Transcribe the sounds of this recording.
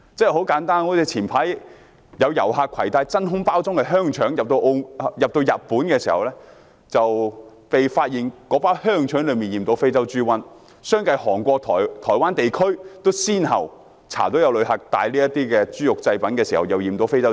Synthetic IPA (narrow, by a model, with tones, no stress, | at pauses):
t͡sɛ˥ɛ˨˩ho˨˥wkaː˨˥nt̪aː˥nŋɔː˨˥t͡si˨˧t͡sʰiː˨˩npʰaː˨˥j | jɐ˨˧wjɐ˨˩wɦaː˨˧kʰɐ̰˨˩jt̪aː˧jt͡sɐ˥nɦʊ˥ŋpaː˥wt͡sʊ˥ŋkɛ˧ɦœː˥ŋt͡ʃʰœː˨˥ŋjɐ˨p̚t̪o˧wʔo˧jɐ˨p̚t̪o˧wjɐ˨t̚puː˨˥nkɛː˧siː˨˩hɐ˨wlɛː˥ | t͡sɐ˨w | pe˨jfaː˧t̚jiː˨nkɔː˨˥paː˥whœː˥ŋt͡ʃʰœː˨˥ŋlɵ˨˧miː˨njiː˨˩mt̪o˨˥wfe˥jt͡sɐ˥wt͡ʃyː˥wɐ˥n | sœː˥ŋkɐ˧jhɔː˨˩ŋkʷɔː˧k̚t̪ʰɔː˨˩jt̪ʰɔː˨˩jwaː˥nt̪e˨jkʰɵ˥ɥt̪o˥wsiː˥nɦɐ̰˨˩w | t͡sʰa̰ː˨˩t̪o˨˥wjɐ˧wlɵ˨˧ɥhɐ˨k̚t̪a̰ː˧jliː˥jɐ˥t̪iː˥kɛː˧t͡ʃyː˥jʊ˨k̚t͡sɐ˧jpɐ˨˥nkɛː˧siː˨˩hɐ˨˩wjɐ˨wjiː˨mt̪o˨˧˥wfe˥jt͡sɐ˥